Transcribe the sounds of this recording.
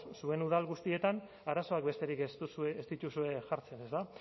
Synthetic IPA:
sue̞nuð̞alɣust̪ie̞t̪an | aɾaso̞ak̚be̞st̪e̞ɾikest̪usueːst̪it̪usue̞ʝaɾt͡sene̞st̪a

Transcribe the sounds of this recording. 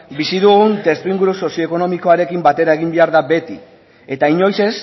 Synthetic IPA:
bisiðuɣunt̪e̞st̪uiŋɡuɾuso̞sio̞eko̞no̞miko̞aɾe̞kimbat̪e̞ɾae̞ɣimbe̞aɾðabe̞t̪ḭ | e̞t̪aiɲo̞jse̞s

